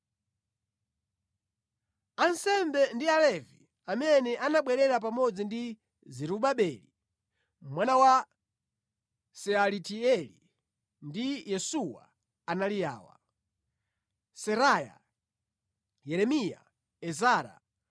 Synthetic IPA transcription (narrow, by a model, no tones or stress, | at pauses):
ansɛmbɛndialɛvḭ | amɛnɛʔanaɓwɛɾɛɾap̬amɔd͡zindi | zɛɾuɓaɓɛli | mwanawa | sɛalitiɛli | ndijɛsuwa̰ | analija̰ːwa̰ | sɛɾaja̰ | jɛɾɛmija̰ | ɛzaːɾa̰